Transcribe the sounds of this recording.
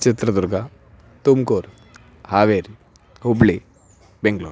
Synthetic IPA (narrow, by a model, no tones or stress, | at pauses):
t͡ʃit̪ɾɐd̪uɾɡa | t̪umkoːɾ | haːʋeːɾ | ɦubɭi | beŋɡɭo̰ːɾ